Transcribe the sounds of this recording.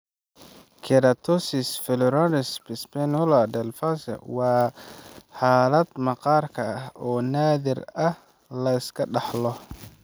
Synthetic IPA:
kʰɛɾɐt̪ʰɔsɪsfɛlɔɾanɪspɪspɛnɔlɐd̪ɛlfasɐ̰wɑː | ħɑːlɐd̪mɑqɑːrkʰɐɐhɔːnaːðɪrɐh | lɐɪskʰɐɖɑħlɔ

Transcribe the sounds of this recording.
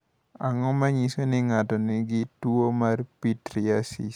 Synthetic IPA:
aŋɔmaɲisonɪŋatɔnɪɡɪtwomarpitɾiasis

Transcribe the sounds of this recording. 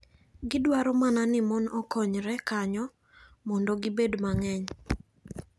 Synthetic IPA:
ɡɪdwaɾɔmananɪmɔnɔkɔɲɾɛkaɲɔ | mɔndoɡɪbedmaŋɛɲ

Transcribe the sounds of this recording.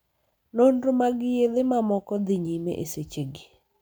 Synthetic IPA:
nondomaɡɪjed̪ɪmamɔkɔd̪ɪɲimḛʔḛset͡ʃeɡi

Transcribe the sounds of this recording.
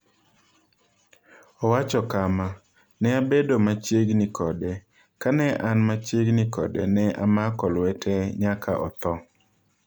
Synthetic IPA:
ɔwat͡ʃɔkama | nɛabedomat͡ʃeɡnikʰɔdɛ | kanɛʔanmat͡ʃeɡnikɔ̰dɛ̰nɛʔa̰makɔlwɛtʰɛɲakʰa̰ʔɔ̰t̪ɔ

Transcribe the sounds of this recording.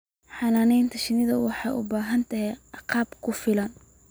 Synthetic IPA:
ħɑːnaːnɛjnt̪ʰɐʃɪnɪðɐwɑħɑjʔʊ̰baːɦɐnt̪ʰɐɦɛjɑqɑːbkʰʊfɪlɐn

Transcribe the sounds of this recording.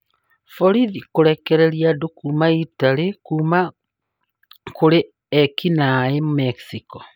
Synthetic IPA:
fɔɾiðikoɾɛkɛɾɛɾiadokuːmaitaɾekuːma | koɾe | ɛkinaemomɛksikɔ

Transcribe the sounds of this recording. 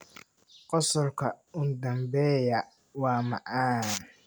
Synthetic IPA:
qɔsɔrkʰɐʊd̪ɐmbɛːjɐ | wɑːmɐ̰ʔan

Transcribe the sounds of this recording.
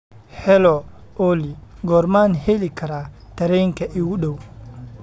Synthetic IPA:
hɛlɔ | oliɡɔɾmanhelikʰɐɾa | t̪ɐɾɛjŋkɐʔiwuɗow

